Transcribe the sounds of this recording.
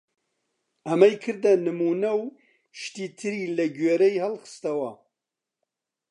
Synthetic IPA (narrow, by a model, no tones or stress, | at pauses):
ɐmɐjkʰɨɾd̪ɐnɨmuːnɐw | ʃt̪iːt̪ʰɨɾiːlɐɡeːɾɐjhɐlxɨ̥st̪ɐwɐ